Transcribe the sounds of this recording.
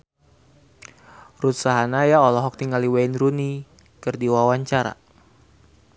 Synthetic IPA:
rut̪saɦanajaɔlɔɦɔk̚t̪iŋɡaliwenɾuni | kɨrdiwawaɲt͡ʃaɾa̰

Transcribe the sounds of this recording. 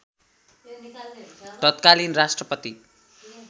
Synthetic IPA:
t̪ʌt̪kalinrasʈrʌpʌt̪i

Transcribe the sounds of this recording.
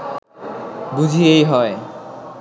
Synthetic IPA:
bud͡ʑʱiejɦɔe

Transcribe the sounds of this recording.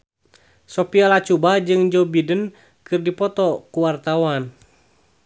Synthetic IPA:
sɔpialat͡ʃubad͡ʒɨŋd͡ʒɔbidən | kɨrdipɔt̪ɔkuwart̪awan

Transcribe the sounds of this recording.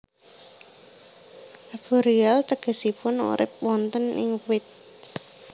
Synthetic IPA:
ʔab̥oɾialt̪əɡ̥ə̤sipʊnṵɾɪ̰p̚wɔnt̪ənɪ̰ŋwɪt̪̚

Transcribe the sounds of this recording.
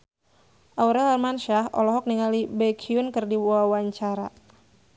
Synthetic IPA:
ʔauɾɛlarmanʃaɦɔ̰lɔɦɔk̚niŋalibɛkʰiʊnkɨrdiawaɲt͡ʃaɾa̰

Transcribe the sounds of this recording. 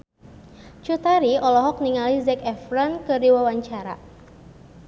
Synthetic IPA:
t͡ʃut̪aɾiɔlɔɦɔk̚niŋalizɛkɛfɾɔnkɨrdiwawaɲt͡ʃaɾa̰

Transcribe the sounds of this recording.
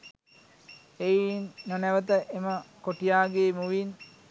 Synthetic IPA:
einːənæʋət̪əʔeməkoʈijaːɡeːmuʋin

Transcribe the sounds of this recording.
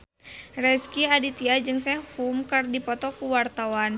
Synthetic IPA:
rɛskiadit̪iad͡ʒɨŋsɛhumkɨrdipɔt̪ɔkuwart̪awan

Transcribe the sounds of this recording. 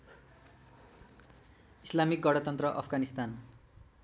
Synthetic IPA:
islamik̚ɡʌɽʌt̪ʌnt̪rʌʔʌ̰pʰɡanist̪an

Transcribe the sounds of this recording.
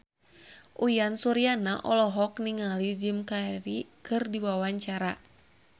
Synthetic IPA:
ʔujansuɾianaʔɔlɔɦɔkniŋalid͡ʒimkaeɾikɨrdiwawaɲt͡ʃaɾa

